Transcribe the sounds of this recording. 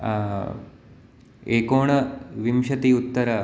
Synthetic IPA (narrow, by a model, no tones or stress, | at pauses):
eːkoːɳɐʋimʃɐt̪iut̪ːɐɾɐ